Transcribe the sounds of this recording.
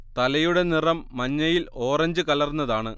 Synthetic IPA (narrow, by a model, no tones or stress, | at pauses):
t̪ɐlɐjuɽe̞nirɐmːɐɲːɐjilo̞ːrɐɲd͡ʑɨkɐlɐrnːɐðaːɳɨ